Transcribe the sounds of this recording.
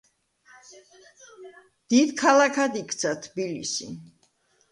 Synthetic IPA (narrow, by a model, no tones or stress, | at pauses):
d̪̥id̪kʰalakʰad̪ikʰt̪sʰat̪ʰbilḭsḭ